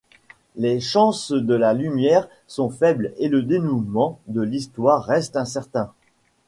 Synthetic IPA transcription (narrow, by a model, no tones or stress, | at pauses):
leʃɑ̃sd̪əlalymjɛʁ | sɔ̃fɛbleləd̪enumɑ̃d̪əlist̪waʁːɛst̪ɛ̃sɛʁt̪ɛ̃